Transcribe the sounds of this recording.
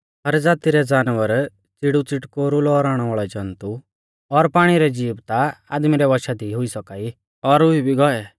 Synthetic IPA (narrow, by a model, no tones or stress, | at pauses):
ɦɐɾd͡zaːt̪iɾɛd͡zaːnʋəɾ | t͡sɪɽut͡sɪʈkoɾulɔɾaːɽ̃ɛʋaːɭɛd͡ʒãnt̪u | ɔɾpaːɽ̃iɾɛd͡ʒiːbt̪aa̰ːd̪miɾɛʋɔʃad̪iɦʊisɔkaːi | ɔɾʊibʱiɡɔɛ